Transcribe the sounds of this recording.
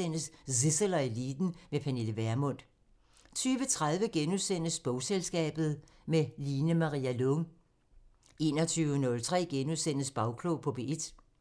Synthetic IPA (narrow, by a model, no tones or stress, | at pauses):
en̰əssiselɐiliːd̥n̩mepʰæne̝ləʋæɐmɔ̽n̰d̥ | t͡sʰyːʋət͡sʰʁað̞ˠʋəɡ̥enuðˠsen̰əsb̥ɔ̽ʊselsɡ̥ɛ̰ːb̥ð̞̩ˠ | meliːnəmɑ̈ʁḭːælɔŋ | e̝̰ːnɐt͡sʰyːʊənɔ̽lt͡sʰʁɛ̰ːɡ̥enuðˠsen̰əsb̥ɑ̈ʊkʰlɔʊpʰɒ̽b̥e̝ʔd̥